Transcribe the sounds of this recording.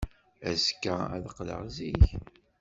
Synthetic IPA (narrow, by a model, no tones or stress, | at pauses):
æzkːææ̰ðəqːlə̰ʁziç